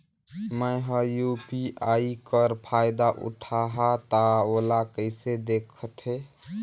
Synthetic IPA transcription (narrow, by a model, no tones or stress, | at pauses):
məjɦə̃jupiaikəɾpʰajd̪aʔṵʈʰaɦat̪aolakəɪsed̪ekʰət̪ʰe